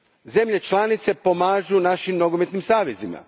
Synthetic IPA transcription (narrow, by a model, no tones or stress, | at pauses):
ze̞mʎe̞t͡ʃlanit̪se̞pomaːʒunaʃimnoɡomet̪nimsaːʋezima̰